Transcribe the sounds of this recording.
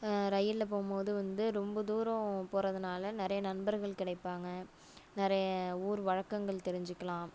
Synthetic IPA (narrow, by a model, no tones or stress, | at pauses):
ɾɐjːɪlːɐpoːmpoːðɯʋɐnd̪ɯɾɔmbɐd̪uːɾõpoːɾɐðɯnaːlɐnɪɾɐjɐnɐnbɐɾɣɐɭkɪɽɐɪpːaːŋɡɐ | nɪɾɐjɐuːɾɯʋɐɻɐkːɐŋɡɐɭt̪ɛɾɪɲd͡ʒɪkːɐlãːm